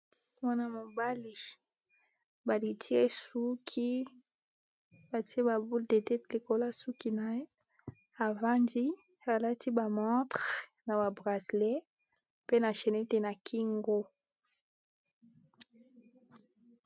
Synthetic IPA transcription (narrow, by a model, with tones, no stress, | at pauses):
mwa˦na˦mo˨ba˦li˨ | ba˨li˨tʰi˦e˦su˦kʰi˦ | ba˨ti˦e˦ba˨bu˦lde˨te˦li˨ko˨la˦su˦ki˨na˨e˦ | a˨va˦ndi˦ | a˨la˦tʰi˦ba˨mɔ̃˦tʁ | na˨ba˨bʁa˨sle˦ | pe˦na˨ʃe˨ne˦te˨na˨kʰi˦ŋɡo˦